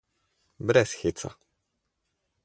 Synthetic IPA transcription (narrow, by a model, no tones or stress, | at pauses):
bɾɛsxʲit̪sa̰